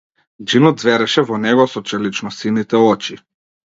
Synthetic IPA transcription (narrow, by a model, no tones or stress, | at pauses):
d͡ʒinɔd̪zvɛɾɛʃɛvɔnɛɡɔsɔt͡ʃɛlit͡ʃnɔsinit̪ɛɔt͡ʃi